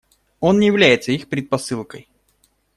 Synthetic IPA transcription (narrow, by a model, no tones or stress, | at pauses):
o̞nnʲɪjɪvlʲæjɪt̪səixpɾʲɪt̪̚pɐsɨlˠkəj